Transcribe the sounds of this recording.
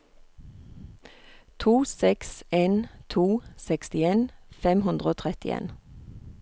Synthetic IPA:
t̪ʰuːsɛkseːnt̪ʰuːsɛkst̪ɪeːnfɛmhʉnd̪ʁəoːt̪ʰʁɛt̪ɪḛːn

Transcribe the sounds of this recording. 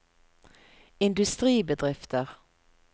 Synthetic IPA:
ɪnd̪ʉst̪ʁiːbəd̪ʁɪft̪əʁ

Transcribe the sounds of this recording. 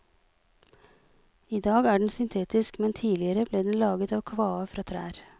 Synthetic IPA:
iːd̪ɑːɡæːɖɳ̩sʏnt̪ʰeːt̪ɪskmɛnt̪ʰiːlɪəɾəbleːd̪ɛn̩lɑːɡət̪ɑːʋkʰʋɑːəfɾʔɑːt̪ʰɾæ̰ːɾ

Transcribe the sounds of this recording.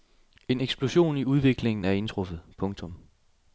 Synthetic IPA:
e̝neɡ̥sb̥lo̝ɕo̝̰ːniuð̞ˠʋe̝ɡ̥le̝ŋn̩æɐe̝nt͡sʰʁɔfð̩ˠpʰɔ̽ŋt͡sʰɔ̽m

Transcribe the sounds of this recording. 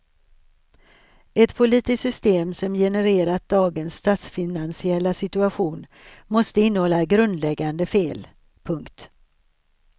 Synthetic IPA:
ɛt̪pʰʊliːt̪ɪsʏst̪eːmsɔmjɛnəɾeːɾat̪̚d̪ɑːɡənsːt̪ɑːt̪sfɪnansɪɛlːasɪt̪ɵaɧuːn | mɔst̪əɪnːəhɔlːaɡɾɵnd̪lɛɡːand̪əfeːl | pʰɵŋkt̪

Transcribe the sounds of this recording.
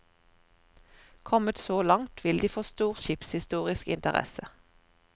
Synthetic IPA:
kʰɔmət̪soːlɑŋt̪ʰʋɪld̪iːfoːst̪uːʁʃɪpshɪst̪uːʁɪskɪ̰nt̪əʁɛ̰sə

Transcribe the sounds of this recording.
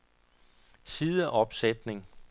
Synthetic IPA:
siːðˠəʔɒ̽b̥sed̥ne̝ŋ

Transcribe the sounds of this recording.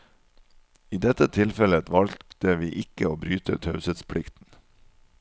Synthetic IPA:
iːd̪ɛt̪ət̪ʰɪlfɛləʋɑlt̚t̪əʋiːʔɪkəoːbɾyːt̪ʰə̰t̪ʰɑʉsət̪spʰɽɪkt̪n̩

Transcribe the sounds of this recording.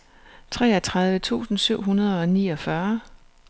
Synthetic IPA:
t͡sʰʁɛ̰ːɐt͡sʰʁäð̞ˠʋət͡sʰṵːsn̩syʊ̰ɦunɐð̞ˠɒ̽niːɒ̽fɶɐ

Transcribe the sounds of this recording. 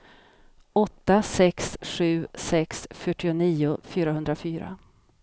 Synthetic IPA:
ɔt̪ːasɛksɧʉ̟ːsɛksfœʈːɪʊniːʊfyːɾaɦɵnd̪ɾafyːɾa̰

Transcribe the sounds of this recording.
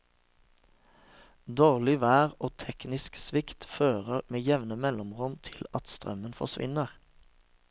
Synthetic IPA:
d̪oːʁlɪʋæːʁoːt̪ʰɛknɪsksʋɪkt̪føːʁəʁmeːjɛʋnəmɛlɔmʁɔmt̪ʰɪlɑt̪st̪ʁœ̰mənfɔ̰sʋɪ̰nəʁ

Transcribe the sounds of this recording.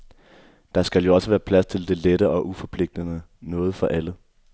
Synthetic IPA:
d̥ɑ̈sɡ̥æljo̝ɒ̽səʋæːɐpʰlæst͡sʰe̝ld̥e̝ledəʔɒ̽ʔufɒ̽pʰle̝ɡ̥̚d̥ənənɔ̽ːð̞̩ˠfɒ̽ʔælə

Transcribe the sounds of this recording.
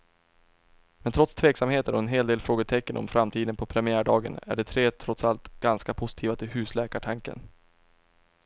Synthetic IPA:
mɛnt̪ʰɾɔt̪st̪ʰveːksamheːt̪əɾɔɛnɦeːld̪eːlfɾoːɡət̪ʰɛkːənʔɔ̰mfɾamt̪ʰiːd̪ənpʰɔpʰɾɛmɪæːɖɑːɡə̰næ̰ɖɛt̪ʰɾeːt̪ʰɾɔt̪salt̪ɡ̥anskapʰʊsɪ̥t̪ʰiːvat̪ʰɪlɦʉ̟ːslɛːkaʈʰaŋkə̰n

